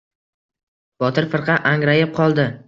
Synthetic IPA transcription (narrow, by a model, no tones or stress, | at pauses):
b̥ɒt̪ʰɪɾfɨɾqʰɑʔaŋɾajɪp̚qʰɒlˠd̪ɪ